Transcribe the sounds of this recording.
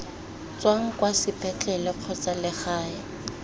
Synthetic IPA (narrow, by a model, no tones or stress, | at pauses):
t͡swaŋ̩kwasɪpʰʼɛt͡ɬʼɛlɪq͡χʰɔt͡salɪχaːja